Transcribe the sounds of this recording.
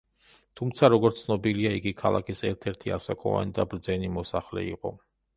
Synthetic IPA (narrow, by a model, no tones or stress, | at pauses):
t̪ʰumt̪sʰaɾɔɡɔɾt̪ʰːnɔbiliaiɡikʰalˠa̰kʰisɛɾt̪ʰɛɾt̪ʰiasakʼɔ̰va̰nid̪abɾd̪zɛnimɔsaχlɛ̰ḭqʼɔ̰